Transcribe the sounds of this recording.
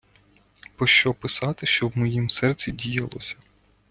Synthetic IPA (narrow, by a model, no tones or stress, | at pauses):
pɔʃt͡ʃɔpɪsɑt̪ɪʃt͡ʃɔwmɔjimsɛrt͡sʲidʲijɐlˠɔ̰sʲɐ̥